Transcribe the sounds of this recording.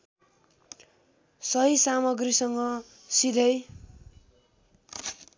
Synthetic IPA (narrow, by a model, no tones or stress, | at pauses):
sʌɦisamʌɡrisʌŋɡʌ | sid̪ʱʌj